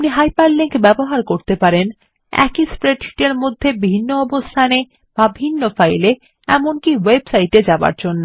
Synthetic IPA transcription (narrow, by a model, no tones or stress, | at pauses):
niɦajpalliŋkbɛboɦaɾkoɾt̪epaɾen | ɛ̰kispɾeʈi̥ʈeɾmod̪ʱːebiinːoɔbost̪ʰane | b̥abʱinːofajle | ɛ̰monkiwebsajʈed͡ʑaba̰ɾd͡ʑonːo